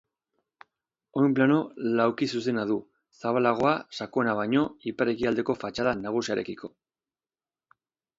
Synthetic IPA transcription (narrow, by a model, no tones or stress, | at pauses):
o̞jmplano̞lawkisuse̞naðu | saβalaɣ̞o̞asako̞enaβ̞ajɲo̞ipaɾe̞kiald̪e̞ko̞fat͡ʃaðanaɣ̞usiaɾe̞kikʰo̞̥